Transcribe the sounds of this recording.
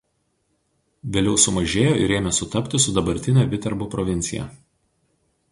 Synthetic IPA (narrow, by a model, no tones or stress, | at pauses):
ʋʲeːlʲɛʊsʊmɐʒʲeːjoːɪ̰ɾeːmʲɛsʊt̪ɐpʲt̪ʲɪsʊd̪ɐbɐɾʲt̪ʲɪnʲɛːʋʲɪt̪ʲɛɾbupɾɔʋʲɪnʲt̪sʲɪjɛ̰ˑ